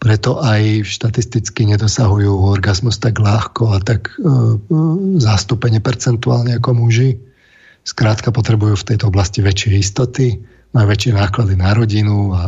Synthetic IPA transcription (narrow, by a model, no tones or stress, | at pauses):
pɾɛt̪ɔʔajʃt̪at̪ist̪it͡skiɲɛd̪ɔsaɦujuːɔɾɡazmust̪aɡlaxkɔat̪aɡ | zast̪upɛɲɛpɛɾt͡sɛnt̪uaːlɲɛakɔmuʒi | skɾaːt̪kapɔt̪ɾɛbujuːft̪ɛjt̪ɔɔblasciʋɛt͡ʃɪɛist̪ɔt̪i | majuʋɛt͡ʃɪɛnaːklad̪inaɾɔɟinua